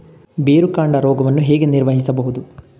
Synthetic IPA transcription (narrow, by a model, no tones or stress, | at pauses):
beːɾukaːɳɖɐɾɔːɡɐʋɐnːuɦeːɡeniɾʋɐɦisɐbɐɦud̪u